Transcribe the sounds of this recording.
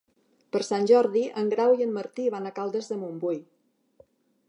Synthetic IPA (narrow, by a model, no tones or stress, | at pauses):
pəɾsanʲʒɔɾðiʔəŋɡɾawiəmːəɾt̪iβanakalˠd̪əzðəmumbuj